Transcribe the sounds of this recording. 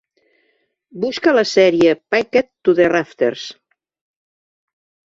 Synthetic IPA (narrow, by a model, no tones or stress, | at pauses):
buskələsɛɾiepajket̪ːuðeraft̪ḛɾs